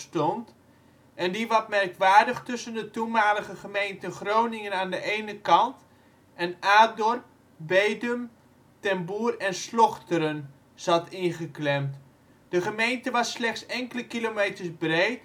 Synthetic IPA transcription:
stɔnt | ʔɛndiʋɑt̚mɛrkʋaːɹdəχtʏsəndətumaːləɣəχəmejntənχrownɪŋənaːndəʔejnəkɑnt | ʔɛnaːdɔrp̚ | bejdəm | tɛmbuːrɛnslɔχtəɾən | z̥ɑtɪnχəklɛmt | d̥əχəmejntəʋɑsːlɛχtsɛŋkələkilomejtəɹsbrejt

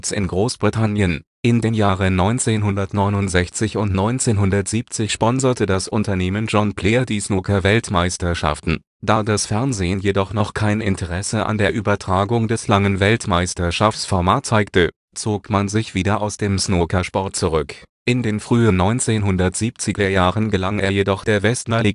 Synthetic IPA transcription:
t͡sɪ̰nɡʁoːsb̥ʁitʰanjənʔɪndeːmjaːʁənɔʏnt͡seːnɦʊndɐtnɔʏnʊntz̥ɛçt͡sɪçʊntnɔʏnt͡seːnɦʊndɐtz̥iːp̚t͡sɪçʃpɔnzɐtədasʔʊntɐneːmənd͡ʒɔnpl̥eːɐdiːsnoːkʰavɛltmaɪstɐʃa̰ftn̩ | d̥aːdasfɛɐnzeːənjedɔχnɔχkʰaɪnʔɪntʰəʁɛsəʔa̰ndeːɐʔybɐtʁ̥aːɡʊŋdɛslaŋənvɛltmaɪstɐʃafsfɔɐmaːtt͡saɪktə | t͡soːkmanzɪçv̥iːdɐʔaʊsd̥eːmsnokaʃpɔɐt̚t͡suʁʏkʔɪndeːnfʁ̥yːənɔʏnt͡seːnɦʊndɐtz̥iːp̚t͡sɪɡɐjaːʁənɡəlaŋeːɐjedɔχd̥eːɐvɛstmaliː

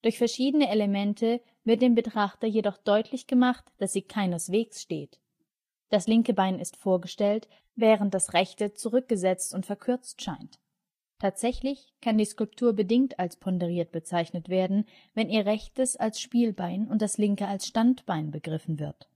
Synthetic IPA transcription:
d̥ʊɐçfɛɐʃiːdənəeləmɛntʰə | vɪɐt̚d̥eːmbətʁ̥aχtɐjedɔχd̥ɔʏtʰlɪçɡ̥əmaχtd̥asz̥iːkʰaɪnəsv̥eːksʃtḛːt | d̥aslɪŋkəbaɪnɪstfoːɐɡəʃtɛlt | vɛːʁ̞ənt̚d̥asʁɛçtət͡suʁʏk̚ɡ̥əzɛt͡stʊntfɛɐkʰʏɐt͡stʃaɪntʰː | aːtz̥ɛçlɪç | kʰandiːskʊlp̚tʰuːɐbədɪŋtalspʰɔndɛʁ̞iːɐt̚b̥ət͡saɪçnətv̥eːɐdn̩ | vɛniːɐʁɛçtəsalsʃpiːlbaɪnʊnt̚d̥aslɪŋkəalsʃtantb̥aɪnbəɡʁɪfn̩vɪɐt

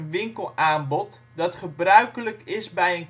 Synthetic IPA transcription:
nʋɪŋkəlˠaːmbɔt | dɑtχəbrœɥkələkɪsbɛjən

